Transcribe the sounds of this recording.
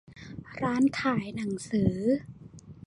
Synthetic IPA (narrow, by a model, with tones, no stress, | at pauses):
ɾaː˦˥nkʰaː˩˦jna˩˦ŋsɯː˩˦